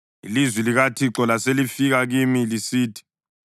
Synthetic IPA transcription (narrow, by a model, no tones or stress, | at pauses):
ilizwiliɣatʰiǁɔlaselifiɣaɣimilisiːtʰi̥